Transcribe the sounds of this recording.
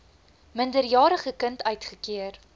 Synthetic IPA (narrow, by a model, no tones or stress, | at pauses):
məndərjɑːɾəχəkəntœɥtχəkiər